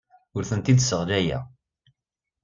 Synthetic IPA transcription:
ʊɾθənt̪id̪səʁlæjæ̰

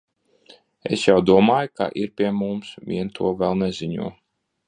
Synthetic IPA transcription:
ḛsjawd̪uɔmaːjka̰ʔiɾpʲiɛmumsmʲḭɛnt̪ʰuɔvɛlˠnɛzʲiɲṵɔ

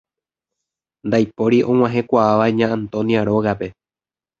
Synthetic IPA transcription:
nd̪ajpo̞ɾiʔõ̞ŋ̃ãɦẽ̞kʷaaʋaɲãːnt̪õ̞niaɾo̞ɣape̞

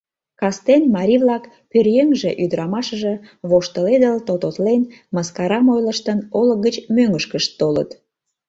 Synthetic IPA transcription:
kɑst̪enmɑɾʲiβlɑk | pørjeŋʒeʔyd̪əɾɑmɑʃəʒə̆βoʃt̪əled̪əlt̪ot̪ot̪lenməskɑɾɑmojləʃt̪ənoləɣət͡ɕmøŋəʃkəʃt̪ːolə̰t̪

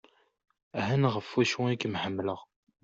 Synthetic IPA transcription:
æɦænʁəfːwæʃwikəmħəmːləʁ

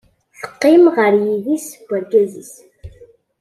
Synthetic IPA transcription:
θə̥qːɪmʁəɾjiðisbʷːæɾɡæzis

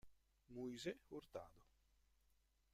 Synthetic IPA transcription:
muizeuɾt̪a̰ːd̪o

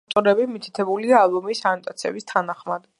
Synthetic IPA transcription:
t̪ʼɔɾɛbimit̪ʰi̥t̪ʰɛbuliaːlˠbɔmisanɔt̪ʼat̪sʰiɛ̰bist̪ʰanaχmad̪

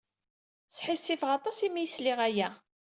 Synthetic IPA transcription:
t͡sːħisːifʁɑt̪ˤɑsimijslɪʁæjæ

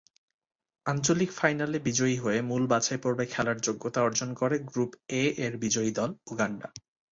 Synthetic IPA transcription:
ant͡ɕolikfajnalebid͡ʑoiɦoemulbat͡ɕaepoɾbekʰɛlaɾd͡ʑoɡːot̪aɔɾd͡ʑonkoɾeɡɾupeeɾbid͡ʑoid̪ɔluɡaɳɖa̰

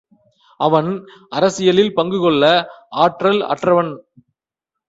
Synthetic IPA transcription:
ɐʋɐnʔɐɾɐsɪjɐlɪlpɐŋɡɯɣɔɭːɐaːʈrɐlɐ̰ʈrɐʋɐn

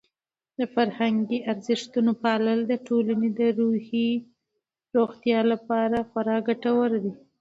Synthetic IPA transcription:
d̪əfaɾhaŋɡiʔaɾzɪʃt̪unopɑləld̪əʈʰolaned̪əɾuhi | ɾoɣt̪jɑlapɑɾaxaɾɑɡaʈawəɾd̪i

